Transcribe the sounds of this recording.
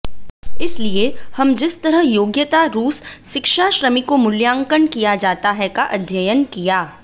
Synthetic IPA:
ɪsliehɐmd͡ʒɪst̪ɐɾəɦjoːɡjət̪aɾuːsːɪkʃaʃɾəmikomʊljãːŋkəɳkijad͡ʒaːt̪aɦɛkaʔɐd̪ʱjəjənkijaː

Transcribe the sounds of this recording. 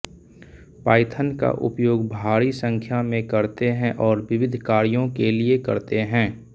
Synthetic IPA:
paːɪt̪ʰənka̰ʔʊ̰pjoːɡbʱaːɾisə̃ŋkʰjamẽkɐɾt̪eɦɛ̃ʔɔːɾʋɪʋɪd̪ʱkaːɾijõkeliekɐɾt̪eɦɛ̃ː

